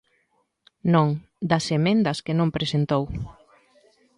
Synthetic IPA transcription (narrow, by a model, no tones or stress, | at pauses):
nõŋ | d̪ɐsemẽnd̪ɐskenõmpɾesent̪ow